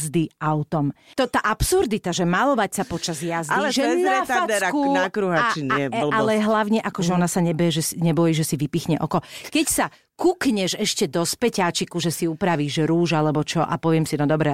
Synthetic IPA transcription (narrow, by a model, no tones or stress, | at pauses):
zd̪iaʊt̪ɔmt̪ɔt̪aʔapsuɾd̪it̪aʒɛmalɔʋacsapɔt͡ʃazjazilɛʒɛnɛfaad̪akunakɾuɦat͡ʃinɛlalɛɦlaʊɲɛʔakɔʒɛɔnasaɲɛbɛjɛʒɛsiɲɛbɔjiːʒɛsiʋipixɲɛʔɔkɔkɛcsa | kukɲɛʒɛʃcɛd̪ɔspɛcaːt͡ʃikuʒɛsiupɾaʋiːʒɾuːʒalɛbɔt͡ʃɔʔa̰pɔʋɪɛmsinɔd̪ɔbɾɛ